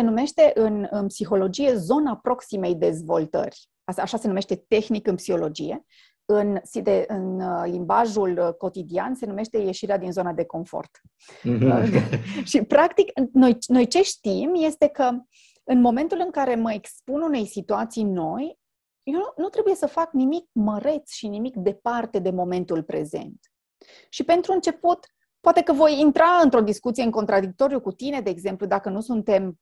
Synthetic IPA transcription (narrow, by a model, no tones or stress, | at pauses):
se̞nume̞ʃt̪e̞ʔɨnɨnpsixo̞lo̞d͡ʒije̞zo̞napɾo̞ksime̞jd̪e̞zvo̞̰lt̪ə̰rʲ | aaʃase̞nume̞ʃt̪e̞t̪e̞xnikɨnpsixo̞lo̞d͡ʒije̞̰ | ɨnsid̪eʔɨnlimbaʒulko̞t̪id̪ianse̞nume̞ʃt̪e̞je̞ʃiɾead̪inzo̞nad̪e̞ko̞ɱfo̞̰rt̪ | əʃipɾakt̪ikno̞jno̞jt͡ʃe̞ʃt̪imje̞st̪e̞kə | ɨnmo̞me̞nt̪ulɨŋkaɾe̞məekspunune̞jsit̪uat̪sijno̞j | jonut̪ɾe̞buje̞səfaknimik̚məɾe̞t̪sʃinimikd̪e̞part̪e̞d̪e̞mo̞me̞nt̪ulpɾe̞̰ze̞̰nt̪ | ʃipe̞nt̪ɾuɨnt͡ʃe̞put̪ | poat̪e̞kəvo̞jint̪ɾaɨnt̪ɾo̞d̪iskut̪sieɨŋko̞nt̪ɾad̪ik̚t̪o̞ɾijukut̪ine̞d̪e̞ːɡze̞mplud̪akənusunt̪e̞m